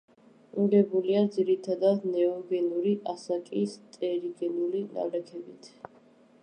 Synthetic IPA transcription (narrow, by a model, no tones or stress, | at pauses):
iɡɛbuliad̪ziɾit̪ʰad̪ad̪nɛɔɡɛnuɾiʔasakʼist̪ʼɛɾiɡɛnulina̰lɛkʰɛbit̪ʰ